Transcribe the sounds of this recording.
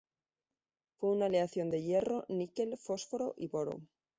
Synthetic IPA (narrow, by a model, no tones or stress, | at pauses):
fweunaleaθjo̞nd̪e̞je̞ro̞nike̞lfo̞sfoɾo̞ʔiβoɾo̰